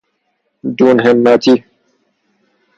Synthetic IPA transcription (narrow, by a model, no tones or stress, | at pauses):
d̪uːnɦemːat͡ɕi